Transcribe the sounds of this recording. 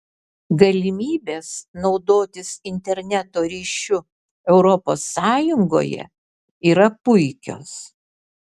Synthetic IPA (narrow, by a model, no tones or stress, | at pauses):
ɡɐlʲɪmʲiːbʲeːsnɒʊd̪oːt̪ʲɪsɪnʲt̪ʲɛɾʲnʲæt̪oːɾʲiːʃʲʊ | ɛʊɾɔposːɑːjʊŋɡo̰ːjɛ̰ | iːɾɐpʊɪkʲo̰ːs